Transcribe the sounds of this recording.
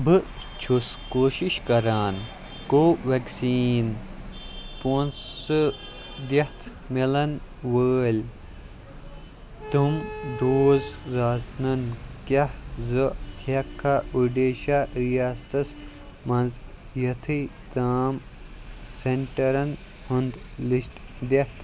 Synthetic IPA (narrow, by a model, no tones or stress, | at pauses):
bɨ | t͡ʃʰuskoːʃiʃkɐɾaːn | koːʋɐksiːn | poːnsɨ | d̪ɐt̪ʰ | milɐnʋəːlʲ | t̪umɖoːzzaːsnɐnkɐhzɨhɐkʰːauɖeːʃaɾijaːst̪ɐs | mɐ̃nzjɐt̪ʰɨ | t̪aːm | seɳʈɐɾɐn | hund̪liʃʈ | d̪eht̪ʰ